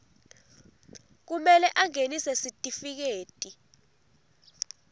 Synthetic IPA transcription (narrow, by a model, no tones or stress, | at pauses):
k̬umɛlɛʔaŋenisɛsitʼifik̬eːtʼi